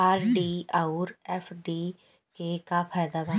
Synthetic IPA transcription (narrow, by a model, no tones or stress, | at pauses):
aːɾɖiːauɾɛːfʰɖiː | kekapʰaːjd̪aʋa